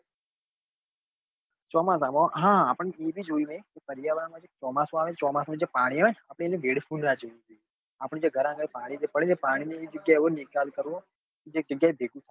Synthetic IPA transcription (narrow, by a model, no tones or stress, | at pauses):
t͡ʃɔːmãs̬amãɦãːpəɳeebʱid͡ʒojũnekepəɾijaʋamãd͡ʒet͡ʃɔːmasõaʋẽt͡ʃɔmasoned͡ʒepaɽ̃iaʋeapɽ̃eeneʋeɽpʰunɾad͡ʒoũd͡ʒoj | apəɽ̃ẽd͡ʒeɡʱəɾãŋɡəɽepaːɽ̃id͡ʒepəɽẽd͡ʒepaːɽ̃inid͡ʒəɡjaeonikalkəɾʋõ | ked͡ʒek̚d͡ʒəɡjaebʱeɡũsʰ